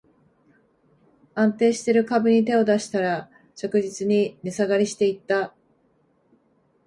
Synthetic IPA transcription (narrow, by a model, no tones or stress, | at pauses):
ãnt̪e̞ːɕi̥t̪e̞ɾɯ̟kabɯ̟ɲ̟it̪e̞o̞d̪aɕi̥t̪aɾa | t͡ɕokɯ̟ʑit͡sɨɲ̟inʲesaɡaɾʲiɕi̥t̪e̞it̪ːa